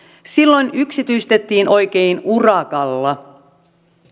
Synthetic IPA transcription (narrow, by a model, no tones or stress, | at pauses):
silːo̞jnyksit̪yist̪e̞t̪ːiːnʔo̞jke̞jnurɑkɑlːɑ